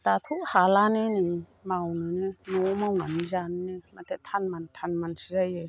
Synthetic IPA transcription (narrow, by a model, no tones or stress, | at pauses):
t̪atʰuk̚halanenimawnɯnenɔmawna̰nizannematʰetʰanmantʰanmansizaje